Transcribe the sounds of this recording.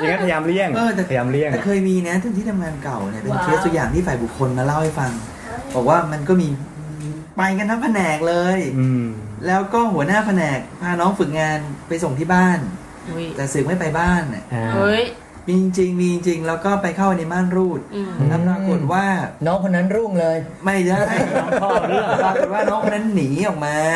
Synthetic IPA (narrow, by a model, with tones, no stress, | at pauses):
a˨ŋa˦npʰa˧jaː˧mli˥˩əŋʔɤː˧t̪ɛː˨˩a˧jaː˧mli˥˩əɛː˨˩kʰɤː˧jmiː˧na˦˥t̪ʰa˧˥˦nt̪ʰiː˥˩a˧mŋaː˧nka˨˩wni˨˩ɐpe˧nt͡ɕʰɯ˦˥t̪u˧jaː˨˩ŋt̪ʰiː˥˩faː˨˩bu˨˩kʰːo˧nmaː˧la˥˩wha˥˩jfa˧ŋ | bɔː˨˩k̚waː˥˩ma˧nkɔː˥˩miː˧ | pa˧jka˧nt̪ʰa˦˥pʰa˧nɛː˨˩k̚lɤː˧j | lɛː˦˥wkɔː˥˩hu˩˦ənaː˥˩pʰa˧nɛː˨˩k̚pʰaː˧nɔː˦˥ŋfɯ˨˩k̚ŋaː˧npa˧jso˨˩ŋt̪ʰiː˥˩baː˥˩n | t̪ɛː˨˩sɯ˨˩k̚ma˥˩jpa˧jbaː˥˩nʔa̰˨˩ʔ | miː˧t͡ɕi˧ŋt͡ɕi˧ŋmiː˧t͡ɕi˧ŋt͡ɕi˧ŋlɛː˦˥wkɔː˥˩pa˧jkʰa˥˩pa˧jna˧jbaː˥˩nɾuː˥˩t̪̚ʰa˦˥pɾaː˦˥ku˨˩ət̪̚waː˥˩nɔː˦˥ŋkʰo˧nːa˦˥nɾuː˥˩ŋlɤː˧j | ma˥˩jt͡ɕa˥˩nɔ˦˥ŋʰ˧ɔː˥˩˥ɾu˥˩˨ɾa˦˥k̚u˨˩t̪̚waː˥˩nɔː˦˥ŋkʰo˧nːa˦˥nːiː˩˦ʔɔː˨˩k̚maː˧